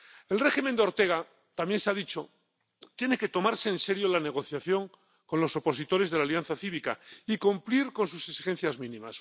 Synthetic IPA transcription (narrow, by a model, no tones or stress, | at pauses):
e̞lreximend̪eo̞ɾt̪e̞ɣ̞a | t̪amje̞nseaðit͡ʃo̞ | t̪je̞ne̞ke̞t̪o̞maɾse̞ːnse̞ɾjolane̞ɣ̞o̞θjaθjo̞ŋ | ko̞nlo̞so̞po̞sit̪o̞ɾe̞zðe̞laljanθaθiβika̰ikumpliɾko̞ns̬useksi̥xẽ̞n̟θjazmĩnĩmas